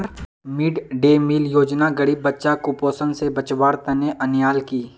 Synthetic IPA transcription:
ɾ | mɪɖɖeːmiːljoːd͡ʒnaɡɐɽibɐtːʃakʊpoːsənsebɐt͡ʃbaːɾt̪ɐneʔɐnjaːlkiː

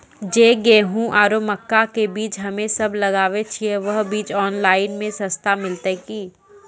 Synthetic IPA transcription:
d͡ʒeːɡeːɦũʔaːɾoməkːakebiːt͡ʃɦɐmẽsɐblɐɡaːʋet͡ʃʰieʋɐɦbiːt͡ʃɔːnlaːɪnmẽsɐst̪amɪlt̪əkiː

